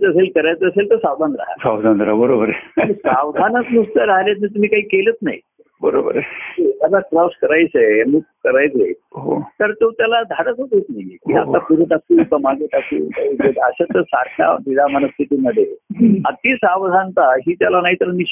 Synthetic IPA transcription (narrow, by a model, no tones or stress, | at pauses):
t͡səselkəɾajt͡səəselt̪əɾsawd̪ʱand̪ɾa̰ɦa̰sawd̪ʱand̪ɾaɦbəɾobəɾeisaʋd̪ʱanət͡snust̪aɾaɦljat̪nit̪̬um̤iːkaɦiːkelət͡snai | bəɾobəɾeet̪jalakɾɔskəɾajt͡semuɡ̚kəɾajt͡seɦo̰t̪əɾt̪ot̪jalad̪ʱad̪asod̪et͡s̪najekia̰t̪apuɾuʈ̪asukəmaɡiʈ̪asṵt̪aded̪aəɕat̪əɾsaɽa̰nid̪amənəst̪ʰit̪iməd̪ʱːjea̰t̪isaʋd̪ʱant̪aɦiːt̪jalanaɦit̪əɾmiɕ